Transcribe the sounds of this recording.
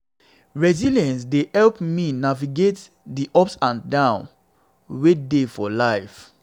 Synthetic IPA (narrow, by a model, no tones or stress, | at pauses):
ɹɛziliɛ̃ns̬dehɛlpminaviɡet | diʔɔpsãndãʊ̃n | wedefɔlaɪf